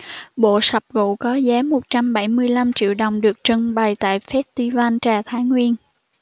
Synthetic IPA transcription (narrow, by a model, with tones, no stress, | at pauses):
ɓo̰˧˨sə˨˩p̚vṵ˧˨kɔ˨˦zaː˨˦mo˨˩t̚t͡ɕa˧mɓa˧˩jmɨ˧əjla˧mt͡ɕḭ˧˨əwɗə˨˩wŋ͡mɗɨ˨˩ək̚t͡ɕɨ˧˩ŋɓa˨˩jt̪a̰ː˧˨jfɛ˦˥t̚t̪i˧vaː˧nt͡ɕaː˨˩t̪ʰaː˨˦jŋwi˧ən